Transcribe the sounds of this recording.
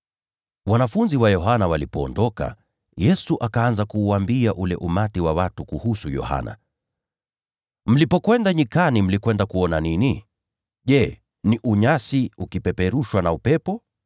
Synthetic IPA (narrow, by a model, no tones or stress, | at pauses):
wanafunziwajɔɦanawalipɔɔndɔka̰ | jɛsuʔakaanzakuːambiaʔulɛ̰ʔumatiwawatukuhusujɔ̰ha̰na̰ | m̩lipɔkwɛndaɲikanim̩likwɛndakuɔnanini | ʄɛ | niʔuɲasiukipɛpɛɾuʃwanaupɛpɔ